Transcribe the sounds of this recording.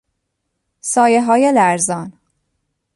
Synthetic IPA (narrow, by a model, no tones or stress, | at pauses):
sɒːjeɦɒːjelæɾzɒːn